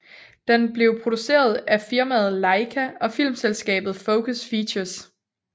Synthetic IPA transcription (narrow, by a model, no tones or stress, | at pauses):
d̥enb̥le̝ʊpʰʁo̝d̥use̝̰ːɐð̞ˠæfiɐmæð̩ˠlɑ̈ɪkʰæɒ̽fil̰mselsɡ̥ɛ̰ːb̥ð̩ˠfoʊkʰəsfiɕɐs